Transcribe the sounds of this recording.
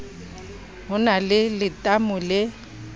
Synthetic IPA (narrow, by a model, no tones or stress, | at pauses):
ɦʊnalɪlɪtʼamʊlɪ